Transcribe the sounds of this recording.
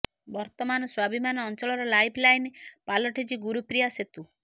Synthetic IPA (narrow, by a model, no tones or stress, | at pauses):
bɔɾt̪ɔmanɔswabimanɔɔnt͡ʃɔɭɔɾɔlajpʰlajnpalɔʈʰed͡ʒiɡuɾupɾijaset̪u